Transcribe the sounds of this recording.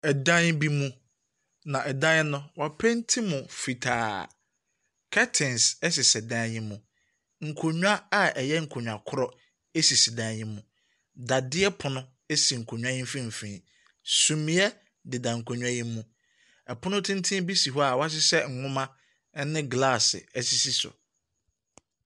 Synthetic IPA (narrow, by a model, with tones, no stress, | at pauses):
ɛ˨dã˦ɲ˦bi˦mũ˦ | nã˨ʔɛ˨dã˦nʊ̃˦wa˨pʰɛ̃˦n̩˦tʰĩ˦mʊ̃˨fi˨tʰaː˨ | kʰɛ˦tʰɪ̃˨nsɛ˦sɪ˨sɛ˨dã˦jɪ̃˦mːũ˨ | ŋ̩˨kʰo˨ɲᶣu˦a˦a˨ʔɛ˨jɛ˦ŋ̩˨kʰo˨ɲᶣ˨a˨kʰʊ˦ɾɔ˦ | e˦si˨si˨dã˦ɲɪ̃˦mũ˨ | da˨dɪ˦ɛ˦pʰʊ˨nʊ̃˦ | e˦si˨ŋ̩˨kʰo˨ɲᶣũ˦ã˦jĩ˦m˦fĩ˦m̩˨fĩː˨ | sũ˨mĩ˦ɛ˦ | dɪ˨dã˨ŋ̩˨kʰo˨ɲᶣũ˦a˦jĩ˦mũ˨ | ɛ˨pʰʊ̃˦nʊ̃˦tʰɪ̃˦n˦tʰĩ˦bi˦si˨ɦɔ˦a˨wa˦s̬ɪ˦sɛ˦ŋ̩˨ŋʊ̃˦mã˦ | nɪ̃˦ɡla˦˨sɪ̰˨ɛ˦si˨si˦sʊ̰˨